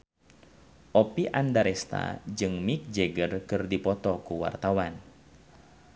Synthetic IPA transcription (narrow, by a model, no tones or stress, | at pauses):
ʔɔpiʔandaɾɛst̪a̰d͡ʒɨŋmik̚d͡ʒɛɡərkɨrdipɔt̪ɔkuwa̰rt̪awan